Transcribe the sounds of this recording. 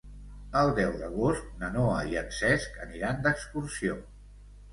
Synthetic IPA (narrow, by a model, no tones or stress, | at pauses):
əlˠd̪ɛwd̪əɣ̞ost̪̚nənoəiənsɛskəniɾand̪əkskursio